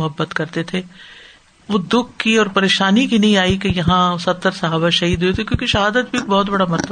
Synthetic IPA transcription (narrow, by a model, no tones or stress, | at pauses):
ʊɦəbːət̪kɐɾt̪et̪ʰeː | ʋod̪ʊkʰːiɔːɾpɐɾeːʃaːnikinɐɦĩaːikejɐɦãsɐt̪ːəɾsɐɦaːbaʃɐɦiːd̪ɦuet̪ʰekjõːkeʃɐɦaːd̪ət̪bʱibɔːt̪bɐɽamɐɾt̪ə